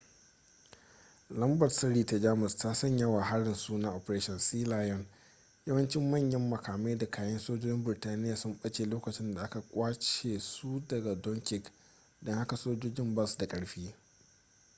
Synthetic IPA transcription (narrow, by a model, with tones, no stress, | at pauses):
lɐ˦mbɐ˨rsɐ˦ɾiː˨ta˨d͡ʒaː˦mʊ˨staː˦sɐ˦˨ɲjɐ˦waː˨ha˦ɽɪ˨nsu˦na˦ʔɔ˨pɐ˨ɾeː˦ʃɔ˨nsiː˦laː˦jɔ˦˨n | jɐ˦wɐ˦nt͡ʃɪ˦mːɐ˦˨ɲjɐ˦mːɐ˨kʰaː˨ma˦jda˨kʰaː˨˦jɐ˦nsoː˦d͡ʒoː˦d͡ʒɪ˦mbɪ˨ɾɪ˨taː˦nɪ˦jaː˨sʊ˦mɓɐ˦t͡ʃeː˨loː˦kɐ˨t͡ʃɪ˦nda˨ʔa˦ka˨kʷʼaː˦t͡ʃeː˨su˦dɐ˨ɡa˨dɔ˦ŋkʲɪ˨k | dɔ˦ŋha˦ka˨soː˦d͡ʒoː˦d͡ʒɪ˦mbɐ˦˨sda˨kʼɐ˦ɽɸiː˦